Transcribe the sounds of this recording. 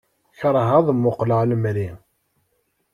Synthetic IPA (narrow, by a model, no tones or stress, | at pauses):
çɾˤɦəðˤmːʊqləʁləmɾi